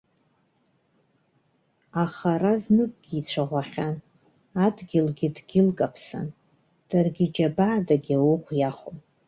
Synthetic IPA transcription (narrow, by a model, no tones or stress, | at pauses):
aχaɾaznɨkʼɡ̥ʲiːt͡ɕʷʰaʁʷaχʲan | adɡʲɪlɡʲɪdɡʲɪlkʼapʰsa̰n | d̥arɡʲɪd͡ʒabaːdaɡʲawuχʷjaχom